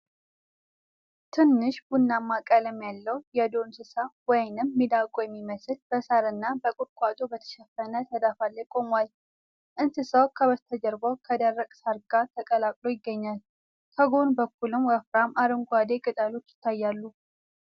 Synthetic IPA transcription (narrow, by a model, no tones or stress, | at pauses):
t̪ʰɨnːɨʃb̥unːamːakʼələmjalːəwjɛd̪o̞nsɨsawɔjnɨmːid̪akʼojɛmːiməsɨlb̥əsaɾɨnːabəkʼuɾkʷʼwat̪ʼubət̪ʰə̥ʃɛfːənət̪ʰəd̪afalːəjkʼo̞mwal | ʔɨnsɨsəwkʰəβət̪ʰəd͡ʒəɾbəwkʰəd̪ərːəkʼsaɾɡat̪ʰəkʼəlakʼlo̞jɪɡːəɲːal | kʰəɡo̞nbəkʰːulɨmwəfɾamaɾɨŋɡʷad̪ekʼɨt̪ʼalo̞t͡ʃːjɪ̥t̪ʰːajːalːu